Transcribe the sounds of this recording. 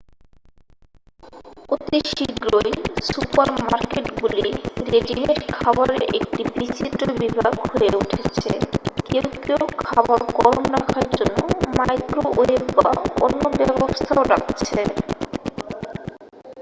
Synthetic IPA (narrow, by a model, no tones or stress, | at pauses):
ot̪iʃiɡɾoesupaɾmaɾkeʈɡuliɾeɖineɾkʰabaɾeɾʔek̚ʈibɾit͡ɕit̪ɾobibʱaɡhoeuʈʰet͡ɕʰekewkewkʰabaɾkɔɾmɾakʰaɾd͡ʑonːomajt̪ɾoʔoekba̰o̰nːobɛbost̪ʰaoɾa̰kt͡ɕʰe